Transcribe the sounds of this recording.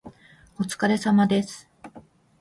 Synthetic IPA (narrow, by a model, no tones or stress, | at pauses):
ot͡sɨ̥kaɾe̞samad̪e̞sɨ̥